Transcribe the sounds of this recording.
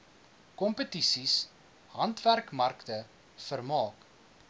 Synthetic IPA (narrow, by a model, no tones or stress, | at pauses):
kɔmpətisis | ɦɐntværkmɐrktə | fərmɑːk